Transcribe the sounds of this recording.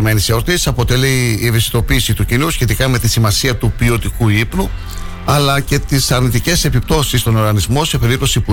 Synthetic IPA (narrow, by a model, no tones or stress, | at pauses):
me̞niseo̞ɾt̪isɐpo̞t̪e̞liːevisit̪o̞piːsit̪ucinusçe̞t̪ikɐme̞t̪isimɐsiɐt̪upio̞t̪ikuipnu | ɐlɐce̞t̪isɐɾnit̪ice̞se̞pip̚t̪o̞sist̪o̞no̞ɾɣɐnizmo̞se̞pe̞ɾip̚t̪o̞sipu